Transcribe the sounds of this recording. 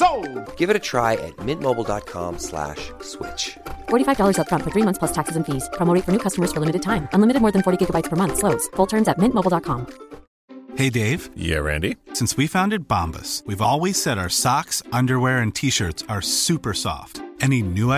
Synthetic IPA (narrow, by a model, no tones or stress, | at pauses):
soʊɡ̥ɪvɨɾɨtʰɹ̥aɪɨ̰t̚mɪ̃nmoʊbl̩ˠdɑ̰t̚kʰɑ̰̃mslæ̰ʃ | swɪ̰t͡ʃfɔɹɾifaɪvdɔlˠə˞zət̚fɹʌ̃ntfə˞θɹimʌ̃θspʰlʌstʰæksɨzɨ̃nfiz̥kʰɹ̥ɑ̃mlɹeɪt̚fə˞nʉkʰʌstəmə˞z̥fə˞lɪ̃mɨɾɨd̚tʰãɪ̃mɨ̃nlɪmɨɾɨd̚mɔɹðɨ̃nfɔɹɾiɡɪɡəbaɪtspʰə˞mʌ̃nθsloʊtz̥fʊlˠtʰɜ̃˞nzɨt̚mɪ̃nʔmoʊbl̩ˠdɑt̚kʰɑ̃m | heɪdeɪv̥jæ̰ɹæ̰̃ndisɪ̃nswifãʊ̃ndɨd̚b̥ɑ̰̃mbə̰swivɔlˠwiz̥sɛɾaʊə˞sɑksʌ̃ndə˞wɛɹɨ̃ntʰiʃɜ˞tsə˞sʉpə˞sɔ̰ftɛninʉ